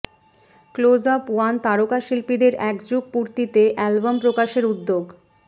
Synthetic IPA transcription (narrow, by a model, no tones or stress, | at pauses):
klod͡ʑapuant̪aɾokaʃilpid̪eɾɛkd͡ʑuɡ̚puɾt̪it̪eʔɛlbampɾokaʃeɾud̪ːoɡ